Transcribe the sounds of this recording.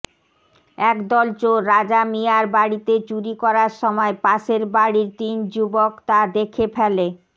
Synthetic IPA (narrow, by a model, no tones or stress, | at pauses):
ɛkd̪ɔlt͡ɕoɾad͡ʑamiaɾbaɽit̪et͡ɕuɾikɔɾaɾʃɔmɔepaʃeɾbaɽiɾt̪ind͡ʑubokt̪ad̪ekʰepʰɛle